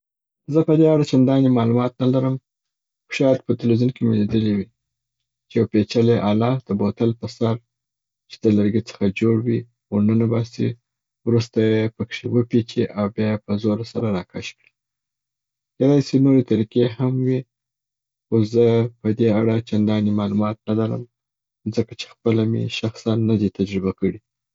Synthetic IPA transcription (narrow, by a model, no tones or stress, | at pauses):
zəpəd̪eaɽat͡ʃand̪ɑnimɑlumɑt̪nalaɾəm | xʊ̥ʃɑjad̪pət̪ɪlwezunkemeled̪əliwi | t͡ʃejawpet͡ʃaleʔalɑd̪̥əbot̪alpəsaɾ | t͡ʃe̥d̪əlaɾɡit͡sə̥xad͡ʒoɽwi | onənabɑsḭ | wɾust̪ajepəkʂewəpet͡ʃiʔawbjɑjepəzoɾasaɾaɾɑkʰaʃkɽi | ked̪ɑisinoɾet̪aɾikehamwi | xoszəpəd̪eaɽat͡ʃand̪ɑnimɑlumɑt̪̚nalaɾə̰m | zəkat͡ʃe̥xpəlamḛʃaxsanːad̪it̪ad͡ʒɾɪbakəɽi